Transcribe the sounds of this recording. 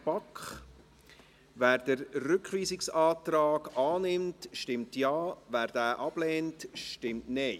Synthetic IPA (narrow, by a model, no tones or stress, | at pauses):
pɑkχ | ʋæːɾd̥əɾːʏkχʋiːsɪksɑːtrɑːɡɑːnɪmtʃtɪmtjɑːʋæːɾdæːʔɑb̥lɛːntʃtɪmtneɪ